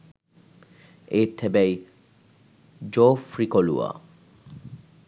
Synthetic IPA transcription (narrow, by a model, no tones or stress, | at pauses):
et̪ʰːebej | d͡ʑofɾikolṵa̰